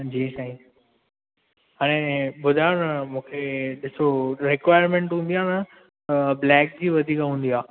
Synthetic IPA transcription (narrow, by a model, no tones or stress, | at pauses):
d͡ʑiːsaĩ | ɦaːɽ̃ẽɓʊd̪ʱajnɐmũːkʰeɗɪsoɾɪkʋaːɪjəɾmẽɳʈɦũːn̆d̪ijaːnɐ | blɛːk̚d͡ʑiːʋɐd̪ʱiːkɦũːn̆d̪iaː